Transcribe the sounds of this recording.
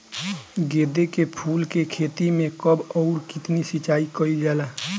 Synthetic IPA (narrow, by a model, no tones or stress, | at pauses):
ɡeːd̪ekepʰuːlkekʰeːt̪imẽkəbɔːɾkɪt̪nisɪt͡ʃaːikəid͡ʒaːlaː